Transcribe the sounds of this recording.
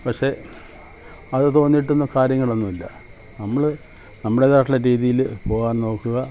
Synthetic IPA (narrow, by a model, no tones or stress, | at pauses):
pɐkʂe̞ | ɐðɨt̪o̞ːnːiʈ̬ːunːukaːɾjɐŋːɐɭonːumilːɐ | nɐmːɐɭɨ | nɐmːɐɽeðaːʈːilːɐɾiːðijilpo̞ːɣaːnno̞ːkːuɣɐ